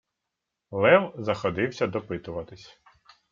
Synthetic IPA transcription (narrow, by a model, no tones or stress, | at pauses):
lˠɛwzɐxɔd̪ɪwsʲɐd̪ɔpɪt̪ʊʋɐt̪ɪsʲ